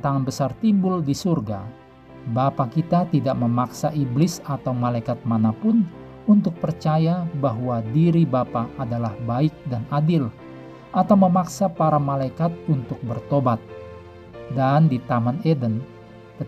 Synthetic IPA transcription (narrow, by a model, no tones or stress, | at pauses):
t̪aŋanbəsart̪imbʊldisurɡa̰ | bapakit̪at̪idaʔməmaksaʔiblɪsat̪awmalaikat̪̚manapʊn | unt̪ʊk̚pərt͡ʃajabaɦwadiɾibapaʔːdalahbaɪk̚danadɪl | ʔat̪awməmaksapaɾamalaikat̪̚unt̪ʊk̚bərt̪obat̪̚ | dandit̪amanedən | kə